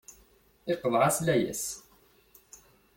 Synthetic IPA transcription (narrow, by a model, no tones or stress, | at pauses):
ɪqəðʕaslæjə̰s